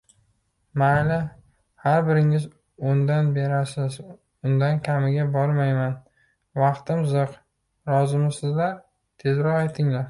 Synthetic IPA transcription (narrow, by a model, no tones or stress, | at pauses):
malɪ | haɾbɪɾɪŋɪz | ond̪anbe̞ɾasɪz | ʊnd̪ankʲʰamɪɡʲabɒɾmajman | vɑqt̪ɪmzɨq | ɾɒzɪmɪsɪzlaɾ | t̪ʰe̞zɾɒqajt̪ʰɪŋlaɾ